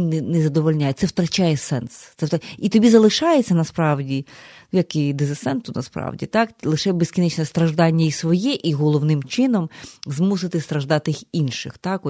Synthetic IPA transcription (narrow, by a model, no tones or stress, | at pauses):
inɛnɛzɐd̪ɔʋɔlʲnʲajɛt̪sɛwt̪ɾɐt͡ʃɑjɛsɛnst̪sɛit̪ɔbʲizɐlˠɪʃɑjet͡sʲːɐnɐspɾɑwdʲijɐkɪd̪ɪzɪsɛnt̪ʊnɐspɾɑ̰wdʲḭt̪ɑklˠɪʃɛbeskʲinɪt͡ʃnɛst̪ɾɐʒd̪ɑnʲːɐisʋɔjɛʔiɦɔlˠɔwnɪmt͡ʃɪnɔmzmus̬ɪt̪ɪst̪ɾɐʒd̪ɑt̪ɪxinʃɪxt̪ɑkɔ